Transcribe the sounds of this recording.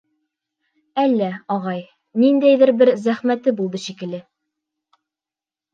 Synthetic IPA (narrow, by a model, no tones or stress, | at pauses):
ælːæɒʁɑj | nind̪æjðɘɾbɘɾzæχmæt̪ɘbulˠd̪ɤʃikɘ̆lɘ